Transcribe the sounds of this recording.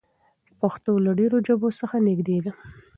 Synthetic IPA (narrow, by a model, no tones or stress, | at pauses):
paxt̪olaɖeɾod͡ʒəbosəxanɪɡd̪ed̪a